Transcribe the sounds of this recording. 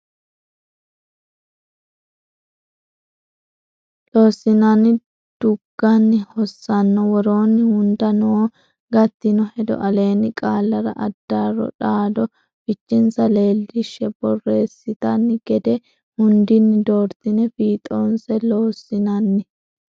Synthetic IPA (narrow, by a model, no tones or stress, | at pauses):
loːsːɪnanɪ | d̪̥ʊɡ̥ːɐnːɪhɔsːɐnːɔwɔɾo̞ːnːɪhʊnd̪ɐno | ɡɐt̪ːɪnɔhɛd̪ɔ̰ʔɐle̞ːnɪkʼaːlːɐɾɐ̰ʔɐd̪̥ːarɔ̰ᶑaːd̪ɔ | fɪt͡ʃːɪnsɐle̞ːlːɪʃːɛbɔrːe̞ːsːɪt̪ɐnːɪɡ̥ɛd̪ɛ | hʊnd̪ɪnːɪd̪o̞ːɾt̪ɪnɛfiːt̪ʼoːnsɛloːsɪnɐnːɪ